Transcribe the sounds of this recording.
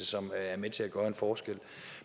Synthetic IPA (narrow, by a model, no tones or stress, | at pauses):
əsɒ̽mæɐmet͡sʰe̝læɡ̥ɶːɐe̝nfɒːsɡ̥el̰